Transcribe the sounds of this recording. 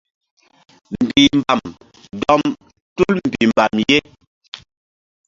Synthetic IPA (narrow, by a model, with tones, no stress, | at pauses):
m̩˨bi˨m̩˨ba˨m | dɔ˦m | tu˦lm̩˨bi˨m˨ba˨mje˦